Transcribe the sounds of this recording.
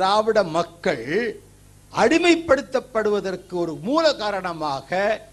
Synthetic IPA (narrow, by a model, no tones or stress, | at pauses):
ɾaːʋɪɽɐmɐkːɐɭ | ʔɐɽɪmɐɪpːɐɽɯt̪ːɐpːɐɽɯʋɐðɐrkɯɔɾɯmuːlɐkaːɾɐɳɐmaːɣɐ